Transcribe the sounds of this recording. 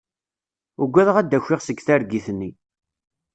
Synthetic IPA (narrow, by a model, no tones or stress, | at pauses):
ʊɡʷːæðʁæd̪ːæçʷːɪʁsəɡθæɾɡiθnːi